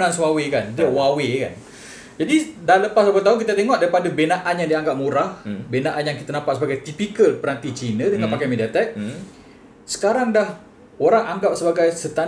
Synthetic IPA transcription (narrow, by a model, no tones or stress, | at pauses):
nãnswawekandiəwaweka̰n | d͡ʒadidanləpasopət̪aɦunk̬it̪at̪eŋɔʔdaɾipadəbenãʔanjaŋdiaŋɡap̚muɾahbenãʔanjaŋkit̪anãmpat̪səbaɡajt̪ipikəlpəɾant̪it͡ʃinədəŋãnpakajmediat̪ɛk̚ | sə̥kaɾaŋdah | oɾaŋaŋɡap̚səbaɡajsət̪a